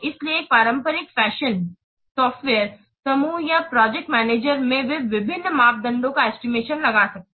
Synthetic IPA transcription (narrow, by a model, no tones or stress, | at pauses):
ɪslieːk̚paːɾə̃mpəɾɪkfɛːʃən | sɔːfʈʋeːəɾ | sɐmuːjapɾɔːd͡ʒɛk̚ʈmɛːneːd͡ʒəɾmẽʋɪʋɪbʱɪnːmaːp̚d̪ɐ̃nd̪õkaɛːsʈimeːʃənlɐɡasɐk̚ː